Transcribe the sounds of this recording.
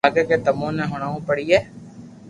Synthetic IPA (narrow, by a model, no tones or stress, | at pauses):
ɡeːkeːt̪əmõːnɛ̃ːɦʊɳaːũːpəɽiːɛː